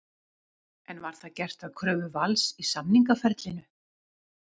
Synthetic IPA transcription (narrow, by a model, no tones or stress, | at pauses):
ɛnvaɾ̥θaðcɛr̥t̪aðkʰɾœːvʏvalsisamniŋkafɛɾt̪lɪnʏ